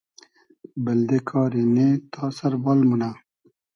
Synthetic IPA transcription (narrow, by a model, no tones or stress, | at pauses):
bɐld̪ekʰɑːɾenet̪ʰɑːsɐɾbɑːlmunaː